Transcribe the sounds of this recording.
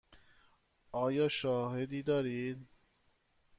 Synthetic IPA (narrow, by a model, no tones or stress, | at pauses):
ɒːjɒːʃɒːɦed̪iːd̪ɒːɾid̪